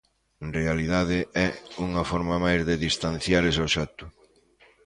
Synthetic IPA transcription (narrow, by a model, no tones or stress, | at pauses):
nrealiðaðɪʔɛuŋɐfɔɾmamajzðɪðist̪an̟θjaɾesoʃat̪ʊ